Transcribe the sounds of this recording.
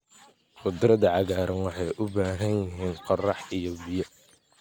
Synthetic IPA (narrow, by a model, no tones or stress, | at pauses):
qʊd̪ɾɐðɐʕɑɣaːɾʔɐnwɑħɑjʔʊbaːɦɐnjɪɦiːnqɑrɑħijɔbɪjɐ